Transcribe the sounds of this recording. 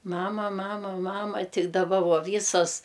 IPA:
ˈmɑːmɐˈmɑːmɐ ˈmɑːmɐ ˈtʲɪ dɐˈbɐ ˈʋoː ˈʋʲiːsoːs

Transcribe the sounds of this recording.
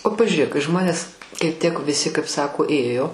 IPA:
oː pɐʒʲʊˈrʲeːk kɐɪ ˈʒmoːnʲeːs kɐɪ ˈtʲiɛk ʋʲɪˈsʲɪ kɐɪp ˈsɑːkoː ˈeːjoː

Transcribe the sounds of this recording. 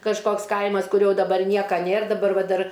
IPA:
kɐʃˈkoːks ˈkɐɪmɐs kʊˈrʲoː dɐˈbɐr ˈnʲiɛkɐ ˈnʲeːr dɐˈbɐr ˈʋɐ ˈdɐr

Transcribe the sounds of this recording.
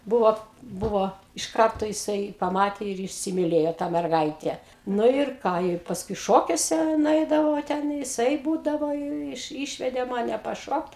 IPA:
ˈbʊʋoː ˈbʊʋoː ɪʃ ˈkɐrtoː jɪˈsɐɪ pɐˈmɑːtʲeː ɪr iːsʲɪmʲɪˈlʲeːjoː tɑː mʲɛrˈɡɐɪtʲæː ˈnʊ ɪr ˈkɑː ɪ pɐsˈkʊɪ ˈʃoːkʲuɔsʲɛ nʊˈɛɪdɐʋɐʊ ʋɐ ˈtʲɛn jɪˈsɐɪ ˈbuːdɐʋoː jɛʊ ˈɪʃ ˈiːʃʲʋʲɛdʲeː ˈmɑːnʲɛ pɐˈʃoːkt

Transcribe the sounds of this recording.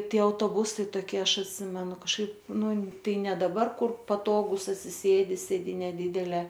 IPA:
ˈtʲiɛ ɐʊtoːˈbʊsɐɪ toːˈkʲiɛ ˈɐʃ ɐtʲˈsʲɪmʲɛnʊ kɐʃˈkɐɪp ˈnʊ ˈtɐɪ ˈnʲɛ dɐˈbɐr ˈkʊr pɐˈtoːɡuːs ɐtʲsʲɪˈsʲeːdʲɪ sʲeːˈdʲiːnʲɛ ˈdʲɪdʲɛlʲeː

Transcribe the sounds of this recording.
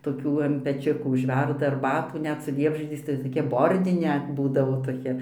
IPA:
toːˈkʲuː ɐn pʲɛˈt͡ʃʲʊkuː ʊʒʲˈʋʲɛrdɐ ɐrˈbɑːtuː ˈnʲɛt sʊ ˈlʲiɛbʲʒʲiɛd͡zʲɛɪs tɐɪ ˈtoːkʲɛ ˈboːrʲdʲɪnʲɛ ˈbuːdɐʋoː toːˈkʲɛ

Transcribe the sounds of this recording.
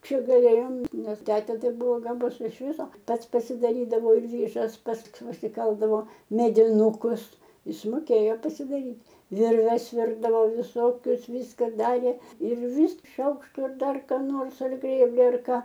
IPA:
ˈt͡ʃʲɛ ɡɐˈlʲeːjoːm ˈnʲɛs ˈtʲæːtʲeː ˈtɐɪ ˈbʊʋoː ɡɐˈbʊs ɪʃ ˈʋʲɪsoː ˈpɐs pɐsʲɪdɐˈrʲiːdɐʋoː ɪr ˈʋʲiːʒɐs ˈpɐts pɐsʲɪˈkɐlˠdɐʋoː mʲɛdʲɪˈnuːkʊs ˈɪs moːˈkʲeːjoː pɐsʲɪdɐˈrʲiːtʲ ˈʋʲɪrʲʋʲɛs ˈʋʲɪrdɐʋoː ʋʲɪˈsoːkʲʊs ˈʋʲiːskɐ ˈdɑːrʲeː ɪr ʋʲiːs ˈʃɐʊkʃtʊ ɪr ˈdɐr kɑː ˈnoːrs ɐr ˈɡrʲeːbʲlʲɪ ɐr ˈkɑː

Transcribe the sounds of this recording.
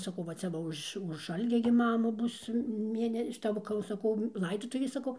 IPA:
sɐˈkɐʊ ʋɐ ˈt͡sʲɛ ʋɐ ˈʊʃ ʊʃ ˈɐlʲɡʲɛ ɡʲɪ ˈmɑːmʊ ˈbʊs ˈmʲeːnʲɛ ʃʲɪˈtɐ ˈʋɐ kɐɪ jɛʊ sɐˈkɐʊ ˈlˠɐɪdoːtʊʋʲeːs sɐˈkɐʊ

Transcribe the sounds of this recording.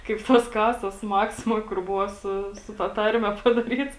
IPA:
kɐɪp ˈtoːs ˈkɑːsoːs ˈmɑːksʲɪmoːj kʊr ˈbʊʋoː ˈsʊ sʊ tɐ ˈtɐrʲmʲɛ pɐdɐˈrʲiːts

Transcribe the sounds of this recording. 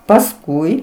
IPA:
pɐsˈkʊɪ

